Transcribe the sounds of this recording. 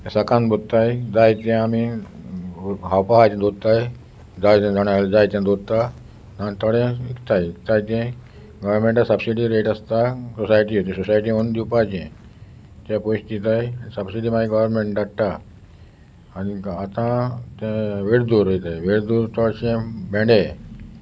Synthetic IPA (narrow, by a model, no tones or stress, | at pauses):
t̪ɛ̃səkãnbʱot̪ːajd͡zajt̪ɛ̃ami | ɦawpaɦat̪ɛ̃d̪od̪̚t̪aj | d͡zajt̪ɛ̃d͡zaɽ̃ald͡zajt̪ɛ̃d̪od̪̚t̪a | nat̪əɽɛ̃ikt̪ajikt̪ajt̪ɛ̃ | ɡəʋəɾmẽɳʈasəbsiɽiɾeʈəst̪asosajʈ̬iot̪ĩsosajʈ̬iond̪iwpad͡ʑḛ̃ | t̪ɛ̃poɕt̪it̪ajisəbsiɖimaĩɡəʋəɾmẽɳʈɖaɽt̪a | niat̪ãt̪ɛ̃ʋeɽd̪uɾəit̪ajʋeɽd̪uɾt̪ɔɽɕẽbɛ̃ɳɖẽ